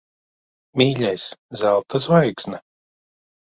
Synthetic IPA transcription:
mʲiːʎʲɛjszælˠt̪ʰazvajksna

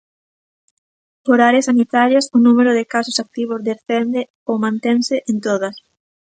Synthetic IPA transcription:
poɾaɾɐsanit̪aɾjasʊnumeɾʊðɪkasosak̚t̪iβ̞ʊzðesθend̪ɪ | omãnt̪eŋsɪʔent̪oðɐs

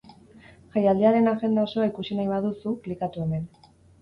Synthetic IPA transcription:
ʝajald̪eaɾe̞naɣe̞nd̪ao̞so̞aikusinajβað̞usuklikat̪ue̞me̞n

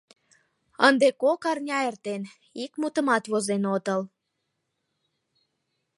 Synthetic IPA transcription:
ənd̪ekokɑrnʲɑert̪en | ikmut̪ə̆mɑt̪βozenot̪əl

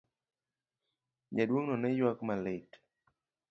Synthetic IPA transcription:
ɲadwoŋnɔnɛjwakmalet

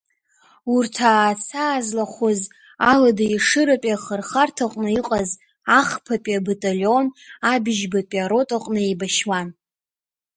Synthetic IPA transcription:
urtʰaːt͡sʰaːzlaχʷʊz | aladaiʂɨɾapʼaχərχartʰaqʷʼnɨiqʼaz | aχpʰapʼiabatʼaljo̞nabɪʒbapʼiaɾo̞tʼaqʼnɨejbaʃwan

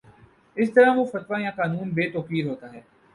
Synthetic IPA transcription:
ɪs̬t̪ɐɾãʋofɐt̪ʋajãːkaːnuːnbeːt̪oːkiːɾɦoːt̪aːɦɛː

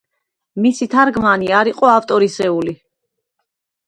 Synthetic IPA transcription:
misit̪ʰaɾɡmaniaɾiqʼɔaft̪ʼɔɾisɛuli

